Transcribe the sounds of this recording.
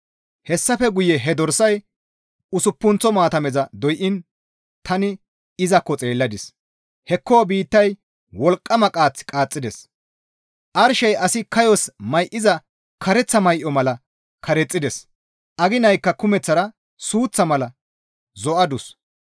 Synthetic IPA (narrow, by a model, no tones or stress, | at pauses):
hɛsːɐfɛɡʊjɛɦɛd̪ɔɾsɐj | ʊsʊpːʊnt͡sɔmaːt̪ɐmɛzɐd̪ɔjʔɪn | t̪ɐnɪ | ɪzɐkːɔt͡sʼe̞ːlːɐd̪ɪs | hɛkːoːbiːt̪ːɐj | wɔlkʼːɐmɐkʼaːt͡sːkʼaːt͡sʼːɪd̪ɛs | ʔɐɾʃɐjʔɐsɪkɐjɔsmɐjʔɪzɐ | kʰɐɾɛt͡sːɐmɐjʔɔmɐlɐ | kʰɐɾɛt͡sʼːɪd̪ɛs | ʔɐɡɪnɐjkːɐkʊmɛt͡sːɐɾɐ | suːt͡sːɐmɐlɐ | zɔʔɐd̪ʊs